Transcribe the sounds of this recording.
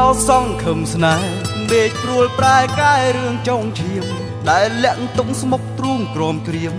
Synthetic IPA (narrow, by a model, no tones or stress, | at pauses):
ɑsɑŋkʰəmsnaɛmɓeːc̚pruəlpraɛkaɛɾɨəŋt͡ɕoŋt͡ɕʰiəm | ɗaɛlːɛ̆əʔnt̪uk̚smok̚t̪ruːŋk̪rɔəmkriəm̚